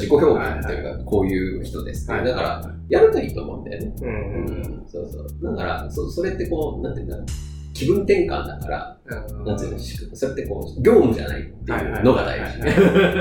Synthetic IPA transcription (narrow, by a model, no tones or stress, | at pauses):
d͡ʑiko̞çʲo̞ːkãnt̪ːejɯ̟ka̰ko̞ːjɯ̟ːçi̥t̪o̞d̪e̞sɨ̥t̪ːed̪akaɾa̰ | jaɾɯt̪aiːt̪o̞ːmõ̞̰ɯ̰̃nd̪a̰jo̰ne̞ɯ̟̃ːso̞̰ːso̞̰ːd̪akaɾa̰soso̞ɾe̞t̪ːe̞koːnãnt̪eiɯ̟nd̪ak | kʲibɯ̟̃nt̪ẽ̞ŋkã̰nd̪akaɾa̰ | nãnt̪ɨɨnaɕi̥kɯso̞ɾe̞t̪ːeko̞̰ːɡʲo̞ːmɯ̟ʑa̰na̰ḭt̪ːe̞ɯ̟no̞ɡad̪a̰iʑi